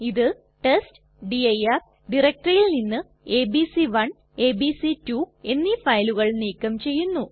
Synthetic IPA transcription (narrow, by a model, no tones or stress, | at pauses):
iðɨ | ʈest | ɖiɐjɐ | ɖirek̚ʈrɐjilninːɨ | eːbisiʋɐɳ | eːbisitue̞nːifɐjluɣɐɭniːkːɐmt͡ɕe̞jːunːu